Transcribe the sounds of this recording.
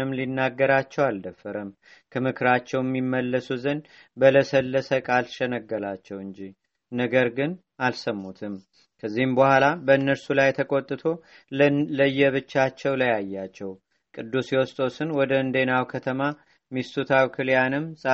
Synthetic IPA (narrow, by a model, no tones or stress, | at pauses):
ɨmlinːaɡːəɾat͡ʃːɛwald̪əfːəɾəm | kʰəmɨkʰɨɾat͡ʃːɛwjɛmːimːəlːəsuzən | bələsəlːəsəkʼalʃɛnəɡːəlat͡ʃːɛwɨɲd͡ʒi | nəɡəɾɡɨn | alsəmːut̪ʰɨm | kʰəzːihɨmbəhʷalabəɨnːəɾsulajt̪ʰəkʼo̞t̪ʼːɨt̪ʰo̞ | ləjːɛβɨt͡ʃːat͡ʃːɛwlajajːat͡ʃːɛw | kʼɨd̪ːusjɛwɔst̪ʼo̞sɨnwɔd̪əɨnd̪enawkʰət̪ʰəma | mist̪ʰʼut̪ʰawkʰɨljanɨmsʼ